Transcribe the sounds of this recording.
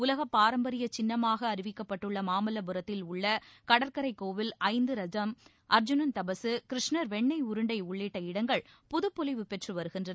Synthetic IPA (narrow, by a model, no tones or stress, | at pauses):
ʊlɐɣɐpːaːɾɐmbɐɾɪjɐt͡ʃɪnːɐmaːɣɐːɾɪʋɪkːɐpːɐʈːɯɭːɐmaːmɐlɐbɯɾɐt̪ːɪlʊɭːɐkɐɽɐɾkɐɾɐɪkːoːʋɪlɐɪnd̪ɯɾɐd͡ʒɐm | ʔɐɾd͡ʒʊnɐnt̪ɐbɐsɯkɪɾɪʂnɐɾʋɛɳːɐɪʊɾɯɳɖɐɪʊɭːeːʈːɐɪɽɐŋɡɐɭ | pʊðɯpːɔlɪʋɯpɛʈrɯʋɐɾɯɣɪndrɐ